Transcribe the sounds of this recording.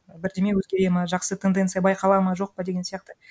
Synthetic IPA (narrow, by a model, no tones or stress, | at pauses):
bɪɾd̪e̞me̞wɵzɡʲe̞ɾejmɑʒɑqsət̪ʰend̪ent̪sɨjabɑjqʰɑlˠɑmɑʒo̞q̚pɑd̪e̞ɡʲesijɑqt̪ə